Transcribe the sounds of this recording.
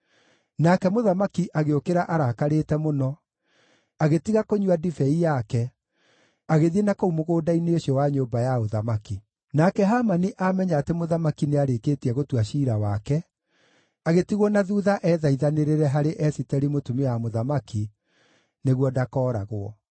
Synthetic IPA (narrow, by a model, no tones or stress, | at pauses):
nakɛmoðamakiʔaɣeokeɾaʔaɾaːkaɾeːtɛmonɔ | aɣetiɣakoɲwadifɛijakɛ | aɣeðienakoumoɣoːdaineoɕiɔwaɲoːmbajaoðamaki | nakɛɦamaniʔamɛɲaːtemoðamakineaɾekeːtiɛɣotwaʃiːɾawakɛ | aɣetiɣwɔnaðuːðaʔɛːðaiðaneɾeɾɛɦaɾeʔɛsitɛɾimotumeamoðamaki | neɣwɔdakɔːɾa̰ɣwɔ̰